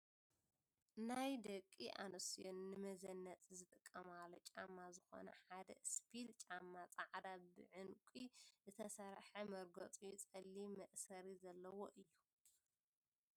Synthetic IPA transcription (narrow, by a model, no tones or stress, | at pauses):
najd̪ɐkʼːiʔa̰nɨsijonːɨmɐzɐnːɐt͡sʼzɨt̪ʼɨkʼːɐmalːot͡ʃʼamːazɨxo̞̰nɐ̰ħad̪ɐ̰spʰilt͡ʃʼamːat͡sʼaʕd̪abɨ̰ʕɨnkʷʼizɨt̪ʰɐsaɾħɐmɐɾɡɐt͡sʼujt͡sʼɐlːimɐʔsɐɾizɐlːɐwoʔɨjːu